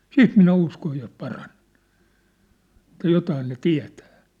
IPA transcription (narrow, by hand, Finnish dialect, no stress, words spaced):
siːt minæ uskoj jos pɑrɑn̥e̥n̥ etːæ jotɑːn ne tiæ̝tæ̥ː